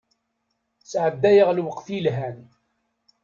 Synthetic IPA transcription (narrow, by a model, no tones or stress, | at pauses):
sʕəd̪ːæjəʁlwəqθilɦæn